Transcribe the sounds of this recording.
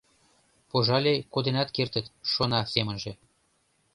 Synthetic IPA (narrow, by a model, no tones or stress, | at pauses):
poʒɑlʲejkod̪enɑt̪kert̪ə̆t̪ʃonɑsemə̆nʒĕ